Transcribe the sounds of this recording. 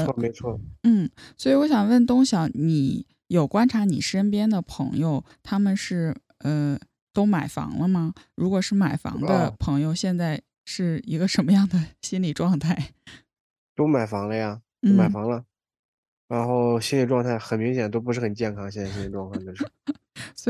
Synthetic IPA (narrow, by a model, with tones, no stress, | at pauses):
me˧˥ɪt͡sʰwɔ˥˩n̩˥˩swɔ˧˥i˨˩wɔ˧˥ɕjɑ˨˩ŋwə˥˩nt̪ʊ˥ŋɕjɑ˧˥˦ni˨˥˦ | jo˨˩ʊkwa˥nʈ͡ʂʰa˧˥ni˨˩ʂə˥npjɛ˥nd̪ə˨pʰɤ̰˧˥ŋjo˧ʊ | t̪ʰa˥mə˨nʂɻ̩˥˩ | ə˧ | t̪o˥ʊma˨˩ɪfɑ̰˧˥ŋlə˧mɐ˨ɻu˧˥kwɔ˨˩ʂɻ̩˥˩ma˨˩ɪfɑ̰˧˥ŋd̪ə˧pʰɤ˧˥ŋjo˧ʊɕjɛ˥˧nt͡sa˥˧ɪ | ʂɻ̩˥˩i˧˥ɡə˧ʂə˧˥nmə˧jɑ˥˩ŋd̪ə˩ɕi˥nli˨˩ʈ͡ʂwɑ˥˧ŋt̪ʰa˥˩ɪ | t̪o˥ʊma˨˩ɪfɑ˧˥ŋlə˧ja˨t̪n̩˥˩ma˨˩fɑ˧˥ŋlə˧ | ɻa˧˥nxo˥˩ʊɕi˥nli˨˩ʈ͡ʂwɑ˥˧ŋt̪ʰa˥˩ɪxə˨˩nmi˧˥ŋɕ̬jɛ˨˩nət̪o˥ʊp̬u˧˥ʂɻ̩˥˩xə˨˩nt͡ɕjɛ˥˩nkʰɑ˥ŋɕjɛ˥˧nt͡sa˥˩ɕi˥li˨˩ʈ͡ʂwɑ˥˧ŋt̪ʰa˥˩ə˥ | sw